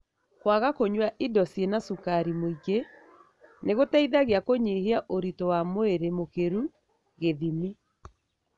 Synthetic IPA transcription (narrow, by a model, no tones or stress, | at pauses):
kwaɣakoɲwaʔidɔsienasukaɾimoiɡe | neɣotaiðaɣeakoɲeheaʔoɾitowamoeɾemokeɾu | ɣeðimi